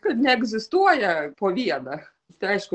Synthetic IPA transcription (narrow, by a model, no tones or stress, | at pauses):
kɛnʲɛɛɡzɪst̪uɐjɛpɔʋʲiɛd̪ɛx | t̪ɛʃk